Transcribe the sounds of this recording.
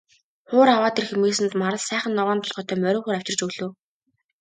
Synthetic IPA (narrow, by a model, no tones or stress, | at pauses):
χʊːɾawaːt̪erxemeːsɘ̆nt̪maɾə̆ɮsæːχə̆nːɔʁɔːnt̪ʰɔɮχɔːt̪œːmœɾʲʊ̆ːχeːɾæw̥ʲt͡ɕɪ̆r̥t͡ɕɵɣɮɵ̆ː